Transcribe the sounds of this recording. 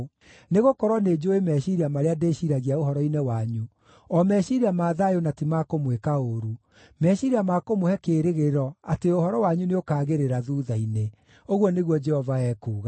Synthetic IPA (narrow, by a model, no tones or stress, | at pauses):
neɣokɔɾwɔned͡ʒoemɛʃiɾiamaɾeadeɕiɾaɣiaoɦɔɾɔinɛwaɲu | ɔmɛɕiɾiamaːðajonatimakomwekaoɾu | mɛʃiɾiamakomohɛkeːɾeɣeɾɔateohɔɾɔwaɲuneokaːɣeɾeɾaðuːðaine | oɣwɔneɣwɔd͡ʒɛhɔvaɛːkuːɣa